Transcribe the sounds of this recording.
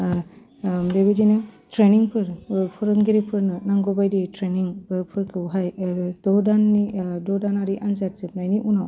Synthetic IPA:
beβidinɯtʰɾeniŋpʰɯɾpʰɯɾɯŋɡiɾipʰɯɾnɯnaŋɡɔbajditɾeniŋbɯpʰɯɾkʰɯwɦajdɔdanːidɔdanaɾiʔanzat̚zɯp̚najniʔunaw

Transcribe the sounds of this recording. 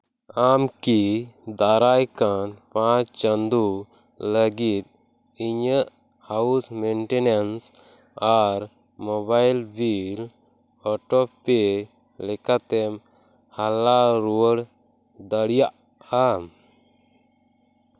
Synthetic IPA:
amkid̪aɾajkanpãt͡ʃt͡ʃənd̪u | ləɡit̪̚ | iɲəʔ | hausmɛnʈɛnəns | aɾ | mɔbajlbil | ɔʈɔpɛ | lɛkat̪ɛm | halaɾuwəɽ | d̪əɽijaʔ | am

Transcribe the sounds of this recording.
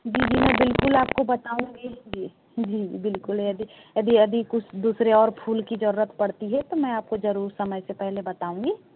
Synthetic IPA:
d͡ʒiːd͡ʒiːmɛ̃ːbɪlkʊlaːp̚kobɐt̪aːũŋɡid͡ʒi | d͡ʒiːbɪlkʊlɐd̪ijɐd̪ʱiɐd̪ikʊt͡ʃʰd̪uːsɾeɔːɾpʰuːlkid͡ʒɐɾuːɾət̪pɐɽt̪iɦɛt̪omɛ̃aːp̚kod͡ʒɐɾuːɾsɐməjsepɛɦlebɐt̪aːũŋɡiː

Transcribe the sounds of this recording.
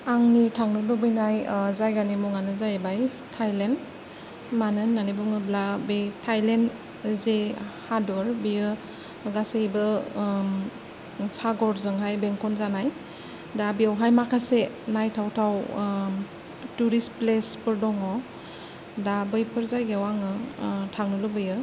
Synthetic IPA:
aŋnitʰaŋnɯbɯbɯjnajzajɡanimɔŋanɯzajbaj | tʰajlen | manɯnːanibɔŋɯblabetʰajlen | zehadɔɾbiɯ | ɡaseibɯ | saɡɔɾzɯŋɦajbeŋkʰɔnzanaj | dabiawɦajmakʰase | najtʰawtʰaw | tuɾisplespɯɾdɔŋɔ | dabɯjpʰɯɾzajɡeawaŋɯtʰaŋnɯlɯbɯjɯ

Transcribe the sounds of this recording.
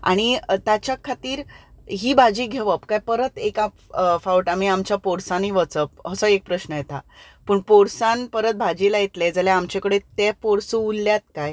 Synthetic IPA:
a̰ɽ̃it̪jat͡ɕakʰat̪iːɾɦiːbʱad͡ʑiːɡʱeʋəpkajpəɾət̪eka | fauʈamiamt͡ɕjapoɽsãniʋət͡səp̚ɦəsəek̚pɾəɕnəjet̪a | pəːɳpoɽsãnpəɾət̪̚bʱad͡ʑiːlajet̪led͡zaljaamt͡ɕekəɽet̪epoɽsũːlːjat̪kaj

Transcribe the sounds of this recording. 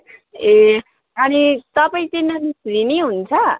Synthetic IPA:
e | ʌnisʌbʌj̃t̪enʌnisrineɦunt͡sʰʌ

